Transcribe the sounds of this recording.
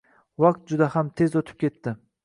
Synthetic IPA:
waq̚t̪̚d͡ʒʊd̪ahamt̪ʰe̞zot̪ʰɪ̥p̚kʲe̞t̪ːɪ

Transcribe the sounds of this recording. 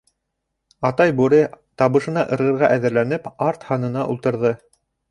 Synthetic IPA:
ɑt̪ɑjbuɾɘt̪ɑβɤ̆ʃɤ̆nɑʔɤ̆ɾʁɤ̆ɾʁɑʔæðɘ̆ɾlænɘpɑɾt̪hɑnɤ̆nɑʔṵlˠt̪ɤ̆ɾðɤ

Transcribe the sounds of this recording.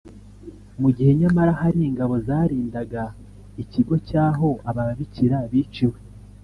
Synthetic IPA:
muɟihe̞ɲamaɾahaɾiːŋɡaβo̞zaːɾiːndaɡa | iciɡo̞caːɦo̞aβaβiciɾaβiːt͡ʃiwe

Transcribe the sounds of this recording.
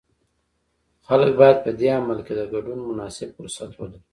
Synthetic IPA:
xalək̚bɑjad̪̚pəd̪eamalked̪əɡaɖunmʊnɑsɪbfʊɾsat̪wad̪əl

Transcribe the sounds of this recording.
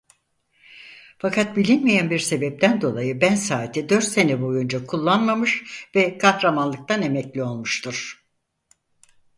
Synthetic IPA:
fakʰat̪̚bilʲinmijænbiɾse̞bɛp̚t̪ʰænd̪o̞lˠajɯbænsaːt̪ʰɛd̪ø̞ɾt̪se̞nɛbo̞jund͡ʒakʰulˠːanmamɯʃvɛkʰahɾamanlˠɯk̚t̪ʰane̞mɛclʲio̞lˠmuʃt̪ʰɯɾ̥

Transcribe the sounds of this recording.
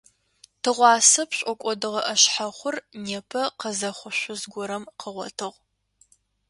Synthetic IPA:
tʰɨʁʷɑːsɐpɕʼɔkʷʼɔdɨʁɐʔɐɕħaχʷʊrneːpʰɐqəzɐχʷʊɕʷʊzɡʷɔɾɐmqəʁʷɔ̰tʰɨʁʷ

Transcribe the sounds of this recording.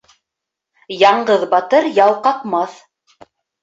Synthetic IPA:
jɑɴɢɤðbɑt̪ɤɾjɑwˠqɑqmɑθ

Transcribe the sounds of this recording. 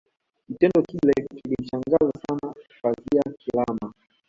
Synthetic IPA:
kitɛndɔkilɛkilim̩t͡ʃaŋɡazasanafaziakilama

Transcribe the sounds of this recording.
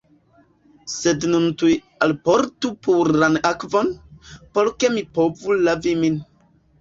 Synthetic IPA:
sednuntuj | alpoɾtupuɾanakvonpoɾke̞mipovulavimin

